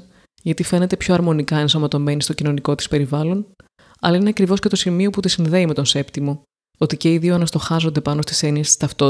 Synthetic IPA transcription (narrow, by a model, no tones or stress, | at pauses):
ʝɐt̪ife̞ne̞t̪e̞pço̞ɐɾmo̞nikɐensɐmɐt̪o̞me̞nist̪o̞cino̞niko̞t̪ispe̞ɾivɐlo̞n | ɐ̰lɐineɐkɾivo̞scet̪o̞simio̞put̪isinðe̞ime̞t̪o̞nse̞pt̪imo̞ | ot̪ice̞iðionɐst̪o̞xɐzo̞nd̪e̞pɐnost̪i̥se̞niest̪ist̪ɐft̪o